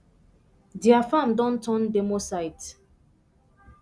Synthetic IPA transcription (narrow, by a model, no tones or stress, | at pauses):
diafãmdɔ̃ntʰɔ̃ndemosajt